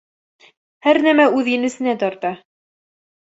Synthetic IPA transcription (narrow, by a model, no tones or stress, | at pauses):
hæɾnæmæʉðjɘ̆nɘ̆sɘ̆næt̪ɒɾt̪ɑ